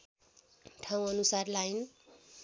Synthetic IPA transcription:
ʈʰaw̃ʌnusarlajn

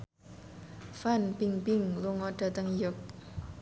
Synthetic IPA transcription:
fanpiŋpɪŋluŋɔɖ̥a̤t̪əŋjʊk̚

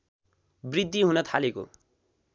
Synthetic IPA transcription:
brid̪ʱːiɦunʌt̪ʰaleko̰

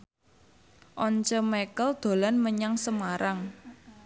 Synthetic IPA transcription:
ʔɔɲt͡ʃəmekəld̪̥o̤lanməɲaŋsəmaɾaŋ

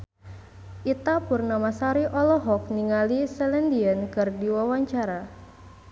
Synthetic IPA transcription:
ʔit̪apurnamasaɾiʔɔlɔɦɔk̚niŋalisɛlɛndiankɨrdiwawaɲt͡ʃaɾa

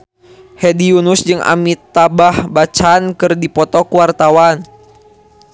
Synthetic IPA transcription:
hɛdiunusd͡ʒɨŋʔa̰mit̪ːabahbat͡ʃankɨrdipɔt̪ɔkuwart̪awan

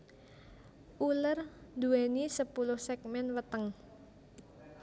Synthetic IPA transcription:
ʔulərd̪uenisəpulʊhsɛk̚mɛnwət̪əŋ

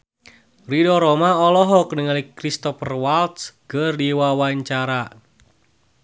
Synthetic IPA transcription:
ridɔɾɔmaɔlɔɦɔknəŋalikɾist̪ɔfərwalt̪sɡ̥ərdiwawaɲt͡ʃaɾa

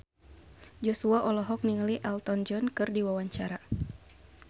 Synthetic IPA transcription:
d͡ʒɔsuaʔɔlɔɦɔk̚niŋəliʔɛlt̪ɔnd͡ʒɔnkɨrdiwawaɲt͡ʃaɾa

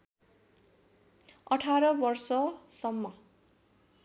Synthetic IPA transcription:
ʌʈʰaɾʌbʌrsʌsʌmːʌ

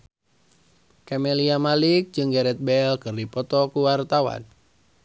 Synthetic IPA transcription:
kɛmɛliamalik̚d͡ʒɨŋɡɛɾɛt̪̚bɛlkɨrdipɔt̪ɔkuwart̪awa̰n

